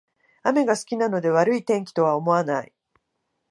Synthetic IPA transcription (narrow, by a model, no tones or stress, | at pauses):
ame̞ɡasɨ̥kʲinano̞d̪e̞βaɾɯ̟it̪ẽ̞ŋkʲi̥t̪o̞β̞ao̞mo̞anai